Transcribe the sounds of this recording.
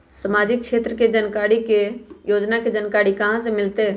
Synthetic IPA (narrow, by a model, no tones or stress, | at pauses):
səmaːd͡ʒɪk̚kʃeːt̪ɾəked͡ʒənkaːɽikejoːd͡ʒnaked͡ʒənkaːɽikɐɦãsemɪlt̪e